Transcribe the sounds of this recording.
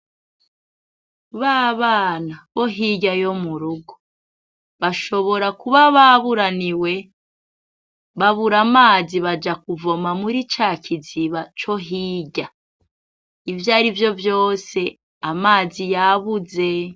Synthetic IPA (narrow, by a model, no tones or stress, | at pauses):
βaːβaːnaβo̞ɦiɟajo̞muɾuɡo | βaʃo̞βo̞ɾakuβaβaβuɾaniwe̞ | βaβuɾamaːziβad͡ʒakuvo̞mamuɾit͡ʃaːkiziβat͡ʃo̞ɦiːɟa | ivjaɾivjo̞vjo̞ːse̞ | amaːzijaβuze̞